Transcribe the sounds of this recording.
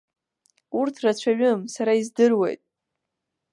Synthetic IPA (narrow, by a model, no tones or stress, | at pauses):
urtʰrat͡ɕʷʰaɥɨmsaɾaizdɨrwe̞̰jtʼ